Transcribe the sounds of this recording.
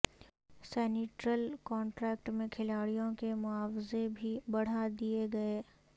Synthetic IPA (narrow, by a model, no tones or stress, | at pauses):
sɛːnɪʈɾəlkɔ̃ːɳʈɾɛːk̚ʈmẽkʰɪlaːɽijõkemʊaːwzebʱibɐɽ̤ad̪ieɡɐeː